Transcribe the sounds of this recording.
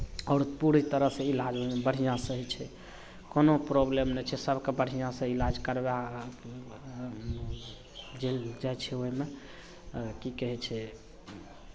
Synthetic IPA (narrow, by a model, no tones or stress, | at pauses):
ɔːɾpuɾit̪əɾəɦsẽilad͡ʒoɦimebəɽ̤ijãsəɦit͡ʃʰɛ | konopɾoblemnɛt͡ʃʰɛsəbʱkebəɽ̤ijãsə̃ilad͡ʒkəɾba | d͡ʒeld͡ʒajt͡ʃʰɛoɦime | kikəɦɛt͡ʃʰɛ